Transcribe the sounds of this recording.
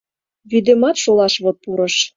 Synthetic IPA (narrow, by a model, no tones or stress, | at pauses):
βid̪emɑt̪ʃolɑʃβot̪̚puɾɤ̆ʃ